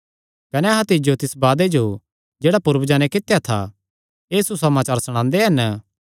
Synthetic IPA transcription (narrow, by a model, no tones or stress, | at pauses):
kɐnɛɐɦãt̪ɪd͡ʒot̪ɪsbaːd̪ed͡ʒo | d͡ʒeːɽapʊɾbd͡ʒaːñẽkɪt̪ːjat̪ʰa̰ | eːsusɐmaːt͡ʃaːɾsɐɽ̃ãːnd̪eɦɐn